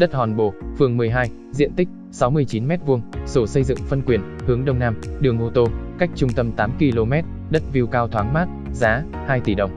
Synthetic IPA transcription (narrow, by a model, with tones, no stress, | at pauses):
ɗə˦˥t̚hɔ˨˩nɓo˧˩fɨ˨˩əŋmɨ˨˩əjɦaː˧j | zḭ˧˨ənt̪ï˦˥k̚ | sa˨˦wmɨ˧əjt͡ɕi˨˦nmɛ˦˥t̚vu˧əŋso˧˩sə˧jzɨ̰˧˨ŋfə˧nkwi˨˩ənhɨ˨˦əŋɗə˧wŋ͡mnaː˧mɗɨ˨˩əŋʔo˧t̪o˧ka˦˥jk̟̚t͡ɕʊ˧ŋ͡mt̪ə˧mt̪aː˨˦mki˧lo˧mɛ˦˥t̚ | ɗə˦˥t̚vi˧wkaː˧wt̪ʰwaː˨˦ŋmaː˦˥t̚zaː˨˦ | haː˧jt̪i˧˩ɗə˨˩wŋ͡m